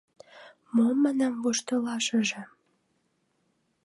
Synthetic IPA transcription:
momænɑmvuʃt̪əlɑʃə̆ʒĕ

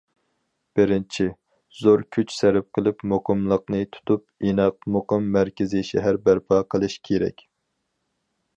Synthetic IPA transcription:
b̥ɪɾɪnt͡ʃʰi | z̥oɾkʲʰyt͡ʃsæɾɪp̚qʰəlˠɨpmoqəmlˠəqnɨt̪ʰu̥t̪ʰup̚inɑq̚moqəmːæɾkʲɪziʃɛɦæɾbæɾpʰɑːqʰəlˠɨʃkʲʰeɾɛ̰kʲ

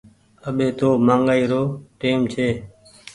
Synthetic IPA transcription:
əɓeːt̪oːmãːŋɡaːiːɾoːʈeːmt͡ʃʰeː

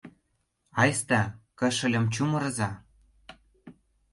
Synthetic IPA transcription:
ɑjst̪ɑkə̆ʃə̆lʲɤ̆mt͡ɕumɤ̆ɾɤ̆zɑ

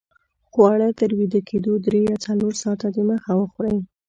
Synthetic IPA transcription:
xoaɽət̪əɾwid̪akʰed̪od̪ɾejɑt͡saloɾsɑt̪ad̪eməxawəxuɾaj

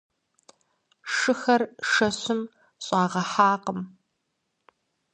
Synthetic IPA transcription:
ʂɨxɐrʂɐɕʷʊm | ɕʼaːʁɐħaːqəm

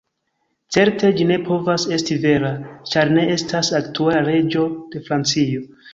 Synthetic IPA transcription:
t͡se̞ɾte̞d͡ʒine̞pʰo̞vase̞stive̞ɾat͡ʃaɾne̞e̞stʰasaktualaɾe̞d͡ʒo̞d̥e̞fɾant͡sijo̞

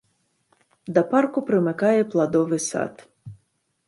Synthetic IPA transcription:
d̪ɐpɑrkʊpɾɪmɪkɑjɛplˠɐd̪ɔʋɪsɑ̰t̪

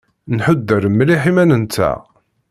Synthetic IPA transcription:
nħʊd̪ːəɾəmːliħimænənt̪ːæ̰

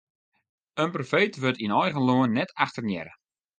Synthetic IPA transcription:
ənprofeːtʋøtinɔjɣənloənːɛtʰaxtərnjɛ̰ɾə

